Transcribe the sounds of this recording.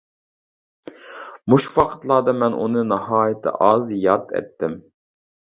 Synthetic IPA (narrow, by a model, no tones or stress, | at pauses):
muʃfɑqʰə̥t̪lˠɑːd̪ɑmɛnʔṵnɨnɑhɑːjɪt̪ʰɪ̰ʔɑzjɑt̪ʰɛ̰t̪ʰːɪm